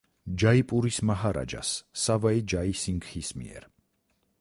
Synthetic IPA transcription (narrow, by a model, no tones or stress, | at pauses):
d͡ʒaipʼuɾismaɦaɾa̰d͡ʒa̰sːavaid͡ʒaisiŋɡhismḭɛ̰ɾ